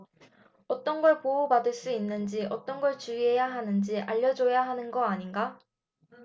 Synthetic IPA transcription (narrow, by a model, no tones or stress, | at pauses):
ʌt͈ʌnɡʌɭpoubadɯɭs͈uinːɯnd͡ʑiʔʌt͈ʌnɡʌɭt͡ɕuiɦe̞jaɦanɯnd͡ʑiʔa̰ʎːʌd͡ʑojaɦanɯnɡʌaɲinɡa